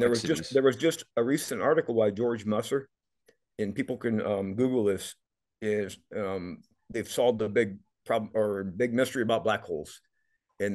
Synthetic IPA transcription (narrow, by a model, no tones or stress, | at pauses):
ðə˞wʌzd͡ʒʌsðə˞wʌzd͡ʒʌstəɹisɨ̃ntɑɹɾɨkl̩ˠwaɪd͡ʒɔɹd͡ʒmʌsə˞ | ɨ̃npipl̩ˠkɨ̃nʌ̃mɡʉɡl̩ˠðɪs | ɪzʌ̃m | ðeɪv̥sɔlˠd̪̚ðəbɪɡ̚ | pʰɹ̥ɑblə˞ɨbɪɡ̚mɪstə˞iɨbaʊt̚b̥lækhoʊlˠz̥ | ɨ̃n